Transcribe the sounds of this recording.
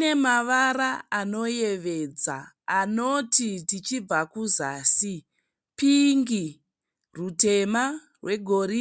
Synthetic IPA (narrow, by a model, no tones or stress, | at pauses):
ne̞maʋaɾaano̞je̞ʋe̞d͡za̰ | ano̞tʰitit͡ʃib͡vakuzaːsi | piŋɡi | rute̞ma | rwe̞ɡʱo̞ɾi